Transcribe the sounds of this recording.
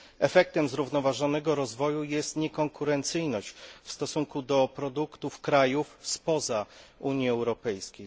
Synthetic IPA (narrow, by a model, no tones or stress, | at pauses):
ɛfɛk̚t̪ɛmzɾuvnɔvaʐɔnɛɡɔɾɔzvɔjujɛst̪ɲɛkɔŋkuɾɛnt̪sɘjnɔɕt͡ɕfst̪ɔsuŋkud̪ɔpɾɔd̪ukt̪ufkɾajufspɔzauɲjiɛwɾɔpɛjskʲej